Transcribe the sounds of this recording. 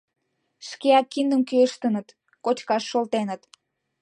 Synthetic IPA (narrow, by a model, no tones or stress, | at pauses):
ʃkeɑkːind̪ə̆mkyəʃt̪ənə̆t̪ | kot͡ɕkɑʃːolt̪enət̪